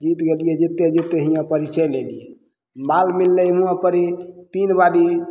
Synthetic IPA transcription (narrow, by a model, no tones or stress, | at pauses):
d͡ʒit̪ɡelijɛd͡ʒit̪ːed͡ʒet̪ːeɦijãpəɾit͡ʃʰəjlelijɛ | malmilːɛmũãpəɾit̪inbaɖi